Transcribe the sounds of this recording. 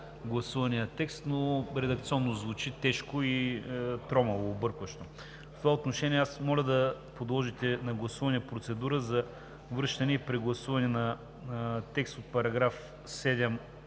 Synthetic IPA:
ɡlˠɐsuvɐnijət̪ɛkst̪noɾɛd̪ɐkt̪siɔnːozvut͡ʃit̪ɛʃkoit̪ɾɔmɐvoːbɤɾkvɐʃt̪o | ft̪ovaot̪noʃɛniɛasmɔlʲɐd̪ɐpod̪lˠɔʒit̪ɛnɐɡlˠɐsuvɐniəpɾot̪sɛd̪uɾəzɐ | vɾɤʃt̪ɐnɛipɾɛɡlˠɐsuvɐnɛnɐ | t̪ɛkst̪ot̪̚pɐɾɐɡɾaf | sɛd̪ɛm

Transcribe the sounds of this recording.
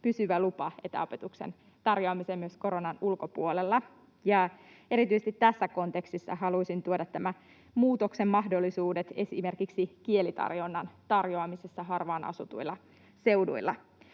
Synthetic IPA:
pysyʋælupɑe̞t̪æ̰o̞pe̞t̪uksḛn | t̪ɑrjoɑmiseːmyøsko̞ɾo̞nɑnulko̞puolelːɑ | jɑ | e̞ɾit̪yisest̪it̪ːæsːæko̞nt̪e̞kst̪isːɑ̰ɦɑluisint̪uodɑt̪ːæmæ | muːt̪o̞ksemːɑhdo̞lːisuːdet̪e̞sḭme̞rkiksikie̞lit̪ɑ̰rjo̞nːɑnt̪ɑrjoɑmisesːɑɦɑrʋɑːnɑ̰sut̪uilːɑ | se̞wdṵilːɑ̰

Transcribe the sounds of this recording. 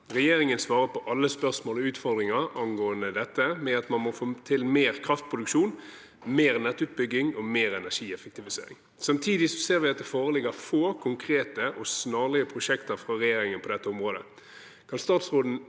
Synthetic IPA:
ʁɛjeːɾɪŋənsʋɑːʁəpʰɔʔɑlːəspœʁsmoːlɔʉːt̪fɔʁd̪ʁɪŋɑɑnɡoːənd̪əd̪ɛt̪ːəmɛɑt̪mɑnmɔfoːt̪ʰɪlmeːʁkʰʁɑft̪̚pʰʁʊd̪ʉkʂuːn | meːʁnɛt̪ːʉːt̪̚bʏɡːɪŋɔmeːʁɛnæʂiːɛfək̚t̪ɪʋɪsḛːɾɪ̰ŋ | sɑmt̪ʰiːd̪ɪsɔseːɾʋɪɑt̪̚d̪ɛfoːʁəlɪɡəɾfoːkʰʊŋkʰɾeːt̪əʔɔsnɑːʁlɪəpʰɾʊʂɛkt̪əɾfɾɑɾɛjeːɾɪŋənpʰɔd̪ɛt̪ːəʊmʁoːd̪ə̰ | kʰɑnst̪ɑːt̪sʁoːd̪n̩

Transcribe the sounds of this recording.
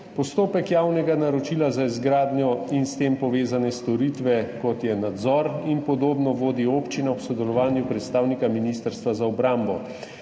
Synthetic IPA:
pɔst̪oːpɛkjaːwnɛɡanaɾɔt͡ʃilazaizɡɾaːd̪njɔinst̪eːmpɔʋeːzanɛst̪ɔɾit̪ʋɛkɔt̪jɛnad̪zɔɾinpɔd̪oːbnɔʋoːd̪iopt͡ʃinawsɔd̪ɛlɔʋaːnjupɾɛt̪st̪aːwnikaminist̪əɾst̪ʋazaɔbɾambɔ

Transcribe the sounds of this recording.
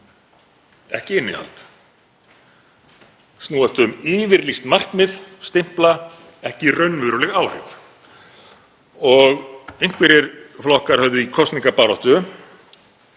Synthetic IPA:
ɛhcɪɪnːɪ̰a̰lt̪ | snuːast̪ʏmiːvɪɾlist̪mar̥kmɪðst̪ɪm̥pla | ɛhcɪrœɥnmʏɾʏlɛɣaːwhɪf | ɔɣejŋ̥kvɪɾɪɾflɔhkaɾ̥hœvðʏikʰɔst̪niŋkapaːɾɔht̪ʏ

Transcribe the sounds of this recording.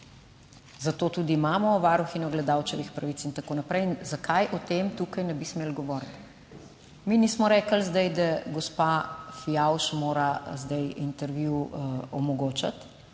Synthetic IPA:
zat̪oːt̪ud̪iːmaːmɔʋaːɾuxinɔɡlɛd̪awt͡ʃɛʋixpɾaʋit̪sint̪akoːnapɾɛjnzakajʔɔt̪eːmt̪uːkɐjnɛbismeːlɡɔʋɔːɾt̪ | minismɔɾɛːkəlzd̪ɐjd̪aɡɔspafijawʃmoːɾazd̪ɐjint̪ɛɾʋjuɔmɔɡoːt͡ʃat̪

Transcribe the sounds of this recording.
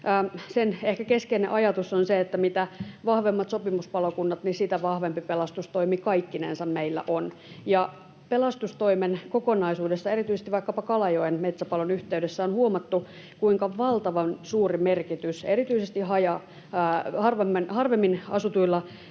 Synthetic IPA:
ʔːsenehkækeskeinḛʔɑjɑt̪usːonseet̪ːæmit̪æʋɑhʋemːɑt̪sopimuspɑlokunːɑt̪nisit̪æʋɑhʋempipelɑst̪ust̪oimikɑikːinḛnsɑmmeilːæ̰ʔon | jɑ | pelɑst̪ust̪oimenkokonɑisuːdesːɑerit̪yisest̪iʋɑˑikːɑpɑkɑlɑjoenmet̪sæpɑlonyht̪eydesːæonhuomɑt̪ːu | kuiŋkɑʋɑlt̪ɑʋɑnsuːrimerkit̪yserit̪yisest̪ihɑjɑ | hɑrʋemːenhɑrʋemːinɑ̰sut̪uilːɑ

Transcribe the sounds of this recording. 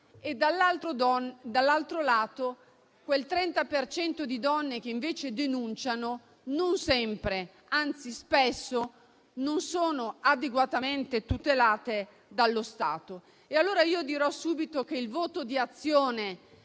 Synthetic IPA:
ed̪alːalt̪ɾod̪ɔd̪alːalt̪ɾolaːt̪o | kwelt̪ɾɛnt̪apert͡ʃɛnt̪od̪id̪ɔnːek̟eiɱveːt͡ʃed̪enunt͡ʃano | nonsɛmpɾe | ant̪sispesːo | nonsoːnoad̪eɡwat̪ament̪et̪ut̪elaːt̪e | d̪alːost̪a̰ːt̪o | ealːoːɾaiːod̪iɾɔsuːbit̪ok̟eilvoːt̪od̪iat̪sːjoːne

